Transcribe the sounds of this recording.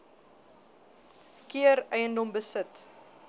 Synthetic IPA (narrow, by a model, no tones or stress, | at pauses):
kiəɾɛjəndɔmbəsət